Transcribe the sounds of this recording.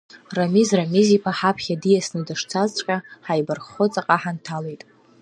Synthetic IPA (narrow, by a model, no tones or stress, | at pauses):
ramizramizipʰaħapʰχʲadijasnɨdaʂt͡sʰazt͡ɕʷʼkʲʼaħajbarχot͡sʼaqʼaħantʰalejtʼ